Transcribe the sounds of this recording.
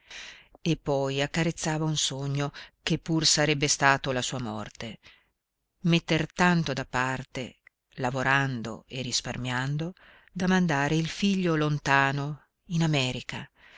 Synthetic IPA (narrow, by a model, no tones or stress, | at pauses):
epːɔjakːaɾet̪sːaːvaunsoɲːokepːursaɾɛbːest̪aːt̪olasuːamɔrt̪e | met̪ːert̪ant̪od̪apːart̪ḛ | lavoɾand̪o̰erisparmjand̪o | d̪amand̪aːɾeilfiʎːolont̪aːno | inamɛːɾika